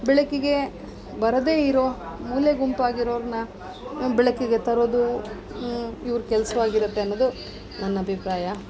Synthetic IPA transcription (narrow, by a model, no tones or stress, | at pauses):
bɛɭɐkːiɡe̞ | bɐɾɐd̪e̞ːiɾomuːljeɡumpaːɡiɾoːɾnɐ | bɛɭɐkiɡe̞t̪ɐɾoːd̪u | iʋɐɾukɛlɐsɐʋaːɡiɾut̪ːeɐnːod̪u | nɐnːɐɐbʱipɾaːjɐ